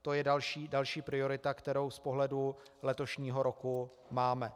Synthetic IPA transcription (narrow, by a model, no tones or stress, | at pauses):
t̪o̞jɛdalʃiːdalʃiːpɾɪo̞ɾɪt̪akt̪ɛɾo̞wspoɦlɛdu | lɛt̪o̞ʃɲiːɦo̞ɾo̞ku | maːmɛ